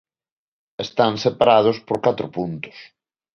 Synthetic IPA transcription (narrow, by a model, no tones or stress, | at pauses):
est̪aŋsepaɾað̞ʊspoɾkat̪ɾʊpunt̪ʊ̥s